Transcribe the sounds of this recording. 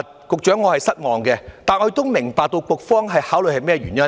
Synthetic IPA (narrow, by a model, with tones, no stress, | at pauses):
t̚ | kʊ˨k̚t͡ʃœː˨˥ŋːɔː˨˧hɐ˨jsɐ˥t̚mɔː˨˩ŋkɛ˧t̪aː˨nɔː˧˥t̪ʊ˥wmɪ˨˩ŋpaː˨k̚t̪o˧wkʷʊ˨˩k̚fɔː˥ŋɦɐ˨jhaː˨˥wlɵ˨jhɐ˨jmɛː˥˩ɥyː˨˩njɐ˦˥